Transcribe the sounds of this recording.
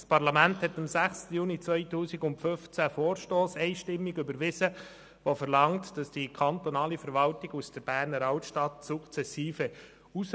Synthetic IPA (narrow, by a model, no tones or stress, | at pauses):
spʰɑɾlɑmænthɛtɑmsæχstəjuːnit͡sʋœʏtuːsiɡʊntfʏft͡sæfoːɾʃtoːsɛɪʃtɪmːiɡʏbəɾʋɪzə | ʋofəɾlɑŋtd̥ɑsd̥ikʰɑntonɑːlifəɾʋɑltiɡusd̥əɾb̥æːɾnəɾɑwtʃtɑtsʊkt͡sɛsiːfə | us